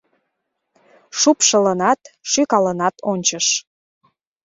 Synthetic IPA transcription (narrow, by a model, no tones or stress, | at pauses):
ʃupʃələnɑt̪ʃykɑlənɑt̪onʲt͡ɕəʃ